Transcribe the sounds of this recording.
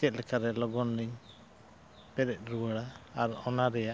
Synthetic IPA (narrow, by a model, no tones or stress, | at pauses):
ɛt̪̚lɛkʰaɾɛlɔɡɔnliɲ | pɛɾɛt̪̚ˀɾuwaɽaːɾɔnaɾɛja